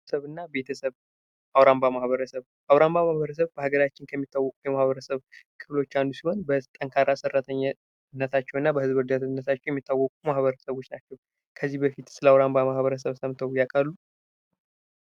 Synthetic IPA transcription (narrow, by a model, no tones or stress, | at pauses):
səβɨnːabe̞t̪ʰəsəβ | ʔawɾambamahβəɾəsəβ | ʔawɾambamahβəɾəs̬əβbəhaɡəɾat͡ʃːɪnkʰəmːit̪ːawːɔkʼujɛmahβəɾəsəβkʰɨflo̞t͡ʃːandusiho̞nbət̪ʼəŋkʰaɾasɨrːat̪ʰəɲː | nːət̪ʰat͡ʃːɛwɨnːabəhɨzbɨɾd̪at̪ɨnːət̪ʰat͡ʃːɛwjɛmːit̪ʰːawːɔkʼumahβəɾəsəβo̞t͡ʃːnat͡ʃːɛw | kʰəzːihbəfit̪sɨləawɾambamahβəɾəs̬əβsəmt̪ʰəwjakʼalːu